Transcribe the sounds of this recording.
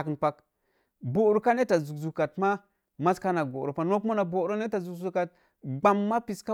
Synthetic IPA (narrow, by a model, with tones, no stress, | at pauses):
kə˨npa˦k | bo˨ɾu˨ka˦ne˦ta˨zu˨zu˨ka˨tma˦ | ma˦ska˦na˨ɡo˨ɾo˨pa˦no˦ku˦ma˦na˨bo˨˦ɾo˦ne˦ta˨zu˨kzu˨ka˨t̚ | ɡ͡ba˨mːa˦pi˨ska˦